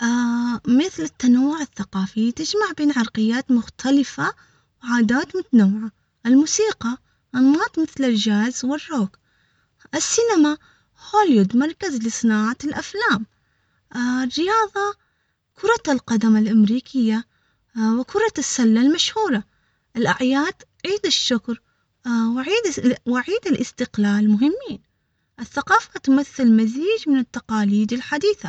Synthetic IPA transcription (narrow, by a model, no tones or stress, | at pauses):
ʔamɪθlɪt̪ːanawːʊʕɪθːaqɑːfit̪ɪd͡ʒmaʕbeːnʕɑɾˤqɪjːaːt̪mʊxt̪ʰalɪfa | wʕaːd̪aːt̪mʊt̪anawːɪʕa | ʔɪlmuːsiːqɑ | ʔnːɑːt̪ˤmɪθlɪld͡ʒaːzwɪrːoːk | ʔɪsːɪnama | hoːlwud̪mɑɾˤkazlɪsˤɨnaːʕalʔaflaːm | rːɪjɑːðˤɑ | kʰʊɾˤɑlqɑd̪amalʔamɾiːkʰɪjːa | wɪkʰʊɾˤɑsːalːalmaʃhuːɾˤɑ | ʔɪlʔaʕjaːd̪̥ | ʕiːd̪ɪʃːʊkɾ | wɪʕiːd̪wɪʕiːd̪ɪlʔɪst̪ɪqlaːlmʊɦɪmːiːn | ʔɪθːaqɑːfat̪ʊmaθːɪlmaziːd͡ʒmɪnɪt̪ːaqɑːliːd̪ɪlħad̪iːθa